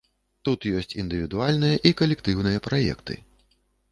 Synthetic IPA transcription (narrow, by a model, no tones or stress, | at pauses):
t̪ut̪jɔsʲt͡sʲind̪ɨvʲid̪ualʲnɨjɐʔikɐlʲɛkt̪ɨwnɨjɐpɾajɛ̰kt̪ɨ̰